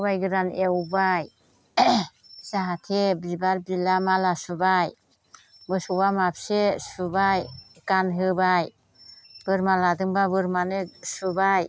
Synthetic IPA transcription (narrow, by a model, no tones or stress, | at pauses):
bajɡɯɾanewbaj | saɦatʰebibaɾbilamalasubaj | mɯsuwamapsesubaj | kanɦɯbaj | b̥ɯɾmaladɯŋbabɯɾmanesubaj